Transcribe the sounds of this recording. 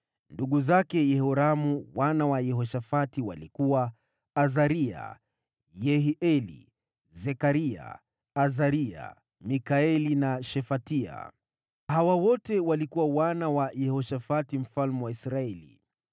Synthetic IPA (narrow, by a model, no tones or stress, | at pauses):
nduɠuzakɛjɛhɔɾamuwanawajɛɦɔʃafatiwa̰likuwaː | zaɾia̰ | jɛɦiʔɛlḭ | zɛkaɾia̰ː | zaɾia̰ | mikaɛlinaʃɛfatia̰ | hawawɔtɛwalikuwawanawajɛhɔʃafatim̩falmuwaisɾaɛlḭ